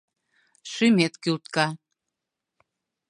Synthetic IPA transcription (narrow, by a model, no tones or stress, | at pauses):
ʃymet̪kylt̪kɑ